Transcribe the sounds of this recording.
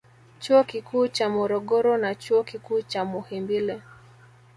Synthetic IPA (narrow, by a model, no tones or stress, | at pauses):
t͡ʃuɔkikuːt͡ʃamɔɾɔɠɔɾɔnat͡ʃuɔkikuːt͡ʃamuhimbilɛ